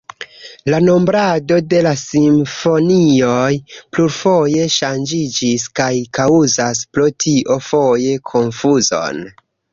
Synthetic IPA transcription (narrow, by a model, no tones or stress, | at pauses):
lano̞mbɾado̞de̞lasiɱfo̞nio̞jpluɾfo̞je̞ʃand͡ʒid͡ʒiskajkauzaspɾotʰiʔo̞fo̞je̞kʰo̞nfuzo̞̰n